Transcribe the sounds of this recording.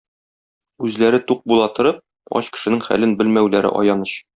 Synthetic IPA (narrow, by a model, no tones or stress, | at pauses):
ʉzlæɾɘt̪uq̚bulˠɑt̪ŏɾɤp̚ | ɒ̰ɕkɘ̥̆ʃɘ̆nɘŋχæ̰lɘnbɘlmæwlæɾɘ̰ʔɒ̰jɑnɤɕ